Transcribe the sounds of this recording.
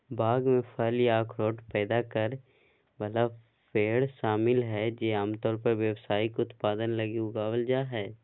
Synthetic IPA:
baːɡmẽpʰəljaːkʰɾoːʈpɛːd̪akəɾ | bəla | pʰeːɽʃaːmɪlɦɛd͡ʒeːaːmt̪ɔːɾpəɾʋjəʋsaːikʊt̪paːd̪ənlɐɡiɦoɡaʋəld͡ʒaɦɛː

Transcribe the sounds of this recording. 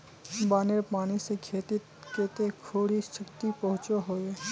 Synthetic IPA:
baːneɾpaːnisekʰeːt̪ɪt̪keːt̪ekʰoːɽiʃɐkt̪ipɐɦʊ̃t͡ʃoɦoːeː

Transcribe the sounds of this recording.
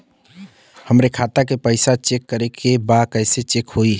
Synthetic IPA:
həmɾekʰat̪akepəɪsat͡ʃekːəɾekʰebakəɪset͡ʃekhoi

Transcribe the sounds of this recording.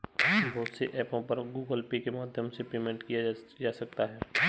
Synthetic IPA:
bʱɔːt̪seʔɛːpõpɐɾɡuːɡəlpikemaːd̪ʱjəmsepeːmẽɳʈkijad͡ʒaːsɐk̚t̪aɦɛː

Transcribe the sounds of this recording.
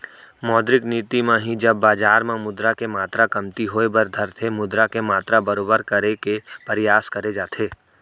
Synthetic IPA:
mɔːd̪ɾɪkniːt̪imẽɦid͡ʒɐbːaːd͡ʒaːɾmẽmʊd̪ɾakemaːt̪ɾakɐmt̪iɦoːebəɾd̪ʱəɾt̪ʰemʊd̪ɾakemaːt̪ɾabɐɾoːbəɾkɐɾekepɐɾɪjaːskɐɾed͡ʒaːt̪ʰeː

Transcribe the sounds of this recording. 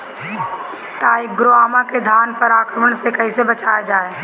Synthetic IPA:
t̪aːik̚ɡɾoaːmaked̪ʱaːnpəɾaːkɾəməɳ̃sekəisebət͡ʃaːed͡ʒaːe

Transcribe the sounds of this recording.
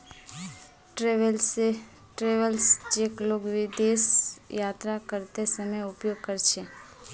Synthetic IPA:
ʈɾeʋəlse | ʈɾeʋəlsd͡ʒekloɡʋɪd̪esjat̪ɾakəɾt̪esəməjupjoɡ̚kəɾt͡ʃʰe

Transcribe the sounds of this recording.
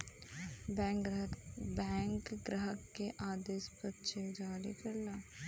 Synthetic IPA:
bɛ̃ːŋkɡɾəɦəkːeʔaːd̪eːspəɾt͡ʃʰed͡ʒaːɾikɐɾlaː

